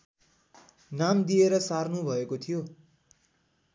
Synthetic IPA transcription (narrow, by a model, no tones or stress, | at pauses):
namd̪ieɾʌsarnubʱʌekot̪ʰijo